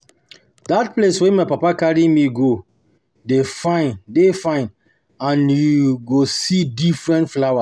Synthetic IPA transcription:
dat̚pleswemaɪpapakaɹimiɡo | defãɪ̃ndefãɪ̃n | ãnjuɡosidifɹɛ̃ntflawa

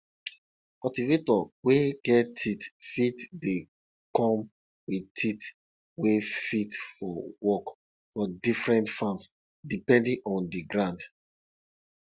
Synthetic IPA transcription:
kɔtivetɔweɡ̥ɛtʰitfitde | kɔ̃m | witʰit | wefitfɔwɔk | fɔdifɹɛ̃ntfãms | dipɛ̃ndĩŋʔɔ̃ndiɡɹãnd

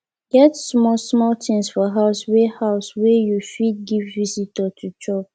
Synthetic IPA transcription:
ɡɛtsmɔlsmɔltʰĩŋsfɔɦaʊswehaʊswɛjufit̚ɡivːizitətʰut͡ʃɔb

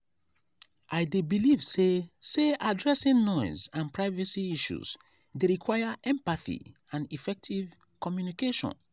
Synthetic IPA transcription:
ʔaɪdebilivseseʔadɹɛsĩnnɔ̃jzãnpɹaɪvɛsiiʃṵz | deɹikʰwajaʔɛ̃mpaθḭ | ãnifɛk̚tʰiv | kɔmjunikeʃɔ̰̃n

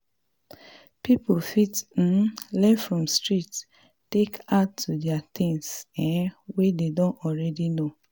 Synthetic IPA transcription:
pipofitn̩lɛfɹɔ̃mstɹit | tekatʰːudɛat̪ʰĩŋsɛ̃wededõnɔɹɛdino

